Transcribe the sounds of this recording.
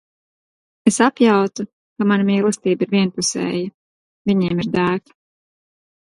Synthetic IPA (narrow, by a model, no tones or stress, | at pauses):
esapjawt̪u | kamanamiːlˠɐst̪iːbiɾvʲiɛnpusɛ̰ːji | vʲiɲɛːmiɾd̪æːk